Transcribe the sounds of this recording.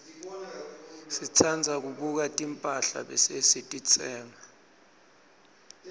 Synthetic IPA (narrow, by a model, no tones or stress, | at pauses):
sit͡sʰand͡zʱak̬uɓuk̬atʼimpʼaɬa̰ɓɛ̰sesitʼit͡sʼɛːŋa